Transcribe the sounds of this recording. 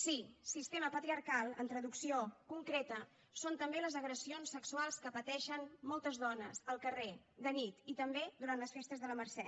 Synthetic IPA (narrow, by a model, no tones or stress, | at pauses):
sisist̪eməpət̪ɾiəɾkalˠə̰nt̪ɾəðuksiokuŋkɾet̪ə | sont̪əmbeləzəɣɾəsionsːəksualˠskəpət̪ɛʃənmɔlˠt̪əzðɔnəzəlˠkəre | d̪ənit̪it̪əmbed̪uɾant̪ləsfest̪əzðələməɾsɛ